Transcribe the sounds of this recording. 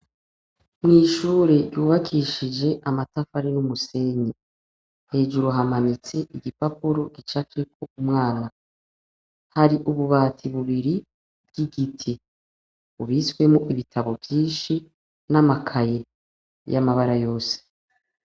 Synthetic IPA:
mŋiːʃuːɾe̞juːβakʰiʃid͡ʒe̞ʔamatafaɾinumuse̞ɲi | he̞ːʒuɾoɦamanit͡se̞ʔiɡipapuɾo̞ɡit͡ʃakekʰoumŋaːna | haɾiʔuβuβaːtʰiβuβiɾi | b̥ɡ̥iɡitʰi | βuβiswe̞muʔiβitʰaβo̞bjiːnʃi | namakʰaje̞ | ja̰maβaɾajo̞ːse̥

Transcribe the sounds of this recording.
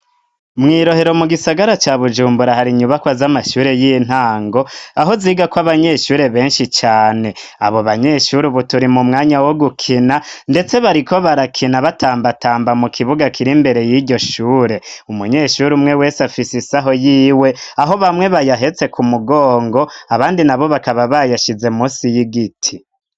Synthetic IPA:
mŋiːɾo̞he̞ɾo̞muɡisaɡaɾat͡ʃaβud͡ʒuːmbuɾahaɾiɲuβakwazamaʃuːɾe̞jin̥haːŋɡo̞aɦo̞ziːɡakwaβaɲe̞ʃuːɾe̞βe̞ːnʃit͡ʃaːne̞a̰βo̞βaɲe̞ʃuɾiβutuɾimumŋaːɲawoɡukʰinande̞t͡se̞βaɾiko̞βaɾakʰinaβataːmbatʰaːmbamukʰiβuɡakʰiɾimbe̞ɾe̞jiɟo̞ʃuːɾe̞umuɲe̞ʃuɾumŋe̞we̞ːsafisisaɦo̞jiːwe̞aɦo̞βamŋe̞βajaɦe̞t͡se̞kʰumuɡo̞ːŋɡo̞aβaːndinaβo̞βakaβaβajaʃize̞muːsijiɡitʰi

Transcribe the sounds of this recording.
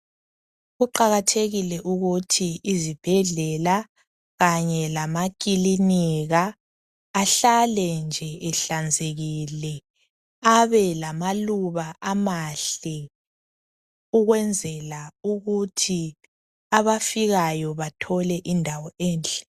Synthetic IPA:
ɣuǃaɣatʰeɣilɛʔuɣutʰiːzib̥ʱɛɮɛla | ɣaɲɛlamakʼiliniɣaː | ɬalɛnd͡ʒʱɛʔɛɬand͡zʱeɣilɛ | aβɛlamaluβaʔamaɬɛ | uɣwɛnd͡zʱɛlauɣutʰi | aβafiɣajɔβatʰɔlɛʔindʱawɔɛːnɬʼɛ̥

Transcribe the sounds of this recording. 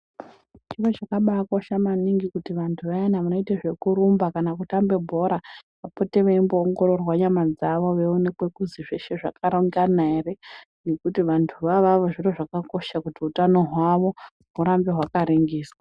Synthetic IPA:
t͡ʃirwet͡ʃakaɓaːkoʃamaniŋɡikutiʋantʰuʋajanaʋanoiteʐe̞kuɾumbakanakutambe̞bʱo̞ɾa | ʋapo̞te̞ʋeimboːŋɡo̞ɾo̞rwaɲamad͡zaʋo̞ʋe̞one̞kwe̞kuziʐeʃe̞ʐakaɾoŋɡanere | nekutiʋantʰuʋaʋaʋoʐiroʐakako̞ʃakutiutano̞ɦwaʋo̞ | ɦuɾambe̞ɦwakaɾiŋɡiːswa

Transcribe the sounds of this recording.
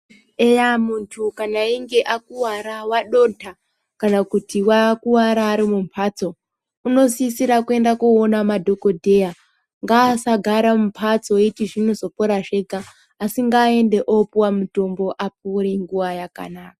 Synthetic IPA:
ejamuntʰukanaiŋɡe̞ʔakuwaɾawaɗo̞ːntʰa | kanakutiwakuwaɾaːɾimumpʰaːt͡so̞ | uno̞siːsiɾakue̞ndakuonamadʱo̞ko̞dʱe̞ja | ŋɡaːsaɡʱaɾamumpʰat͡so̞itiʐinozo̞poɾaʐe̞ɡaː | siŋɡaːe̞nde̞ʔopwamuto̞mbo̞ʔap̚uɾiŋɡuʋajaka̰naːka

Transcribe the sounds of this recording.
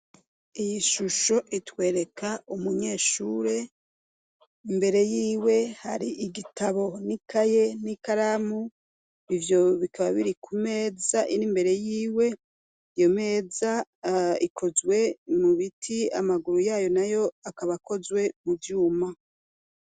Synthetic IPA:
ijiʃuʃo̞ʔitwe̞ːɾe̞kʰaumuɲe̞ːʃuːɾe̞ | imbe̞ɾe̞jiːwe̞haɾiʔiɡitaβo̞nikʰaje̞nikaɾamu | ivjo̞βikʰaβaβiɾikʰume̞ːzaʔinimbe̞ɾe̞jiːwe̞ | ijo̞me̞ːzaikʰo̞zwe̞muβitʰia̰maɡuɾujaːjo̞najo̞akaβako̞zwe̞muvjuːma

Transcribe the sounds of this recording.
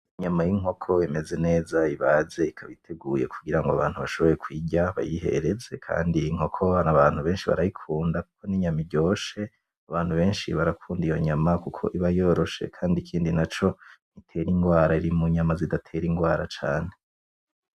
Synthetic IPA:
iɲamajiŋo̞kʰo̞emeze̞ne̞ːzaiβaze̞ikʰaβitʰeɡuːje̞̰kʰuɡiɾaŋɡoaβaːn̥huβaʃo̞βo̞je̞kwiːɟaβa̰jihe̞̰ɾe̞ze̞kʰa̰ːndiːŋ̥ho̞kʰo̞anaβaːn̥huβe̞ːnʃiβa̰ɾajikʰuːndaku̥kʰo̞niɲamiɟoːʃe̞ | aβaːn̥huβe̞ːnʃḭβaɾakʰuːndijo̞ɲamakukʰo̞̰ʔiβajoɾo̞ʃe̞̰kʰaːndikʰiːndinat͡ʃo̞n̥itʰe̞ɾiŋɡwaːɾaiɾimuɲamazidatʰe̞ɾiŋɡwaːɾat͡ʃaːne̞

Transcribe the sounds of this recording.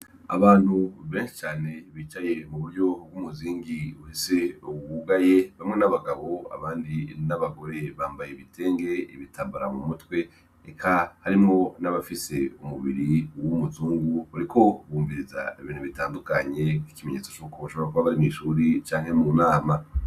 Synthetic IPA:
a̰βaːn̥huβe̞ːnʃi̥t͡ʃaːne̞βiːt͡ʃaje̞muβuɾɟo̞b̚ɡumuziːŋɡiuhise̞uɡuɡaje̞βamŋe̞naβaɡaβo̞a̰βaːndinaβaɡo̞ɾe̞βaːmbajeβitʰe̞ːŋɡe̞iβitʰaːmbuɾa̰mumutwe̞ | ekʰahaɾimŋo̞naβafise̞umuβḭɾiwumuzuːŋɡuuɾikʰo̞βuːmviɾiza̰iβiːn̥uβitaːndukaɲe̞kwikimeɲet͡sot͡ʃukʰoβaʃo̞βoɾakuβaβaɾimiʃuːɾit͡ʃaːŋhe̞muːnaːma

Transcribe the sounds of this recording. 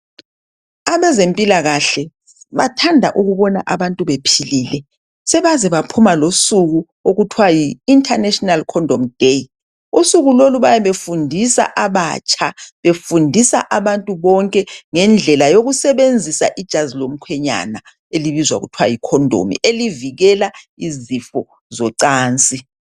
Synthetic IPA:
aβɛzempʼilaɣaɬɛ | βatʰandʱa̰ʔuɣuβɔna̰ʔaβantʼuβepʰiliːlɛ | sɛβazɛβapʰumalosuɣu | oɣutʰwajiːntʼʰanɛʃɔnalkʰɔndʱɔmd̥ʱej | usuɣuloluβajɛβefundʱisa̰ʔaβa̰t͡ʃʰʼaβefundʱisa̰ʔaβantʼuβɔŋkʼɛŋɛnd͡ɮʱɛlajoɣusɛβend͡zʱisa̰ʔid̥ʒ̥ʱazilom̩kʰwɛɲa̰na | eliβizwa̰ɣutʰwa̰jikʰɔndʱo̰mḭʔeliviɣɛla | izifɔ | zɔǀaːnt͡sʼi

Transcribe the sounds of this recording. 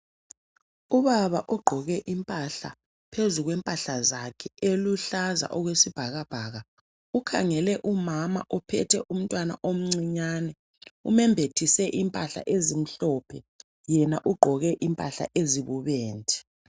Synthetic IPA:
uβaβaʔɔɡ͡ǃʱɔɣɛʔimpʼaɬa̰ | pʰezuɣwɛmpʼaɬazakʰɛeluɬaza̰ʔɔɣwesib̥ʱaɣab̥ʱaːɣa | ukʰa̰ŋɛlɛʔumama̰ʔɔpʰɛtʰɛʔum̩tʼwana̰ʔom̩ŋ͡ǀiɲaːnɛ | ṵmɛmbʱetʰisɛʔimpʼaɬa̰ʔezim̩ɬɔpʰɛ | jɛnaʔuɡ͡ǃʱɔɣɛʔimpʼaɬa̰ʔeziβuβeːntʼʰi̥

